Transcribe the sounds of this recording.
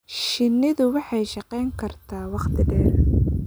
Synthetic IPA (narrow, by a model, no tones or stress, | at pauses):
ʃɪnːɪðʊwɑħɑjʃɑqɛjŋkʰɐrt̪ʰaːwɑqt̪ʰɪɖɛːɾ